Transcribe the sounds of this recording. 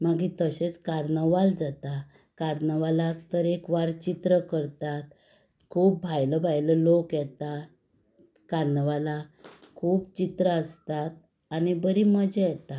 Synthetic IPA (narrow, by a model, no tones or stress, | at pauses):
maɡit̪əɕet͡skaɾnəʋald͡zat̪a | kaɾnəʋalat̪əɾekʋaɾt͡ɕit̪ɾəkəɾt̪at̪ | kʰuːp̚bʱajləbʱajləlokjɛt̪a | kaɾnəʋala | kʰuːpt͡ɕit̪ɾəəst̪at̪̚ | anibəɾiməd͡ʑɛjɛt̪a